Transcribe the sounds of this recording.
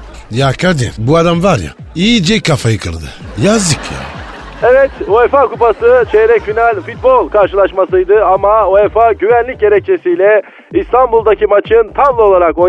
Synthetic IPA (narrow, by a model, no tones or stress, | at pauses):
jakʰad̪ḭɾbuad̪amvaɾja̰ | iːd͡ʒikʰːafajɯkʰɯlˠd̪ɯ̰jazd̪ɯkja̰ | evɛt̪oɛfakupasɯt͡ʃʰeɾɛcfinalʲfut̪̚bolˠkʰaɾʃɯlˠaʃmasɯjd̪ɯamaoefaɟyvænlʲic̚ɟe̞ɾɛc̚t͡ʃʰesijlʲɛ | ist̪ʰanbulˠd̪acimat͡ʃʰɯnt̪ʰamlˠo̞lˠaɾako